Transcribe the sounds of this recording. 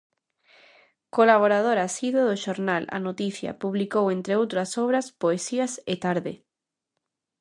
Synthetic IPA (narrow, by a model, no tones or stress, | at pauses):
kolaβ̞oɾað̞oɾasiðoðoʃoɾnala̰not̪iθja̰puβlikowent̪ɾeowt̪ɾasoβɾaspoesiaset̪aɾðe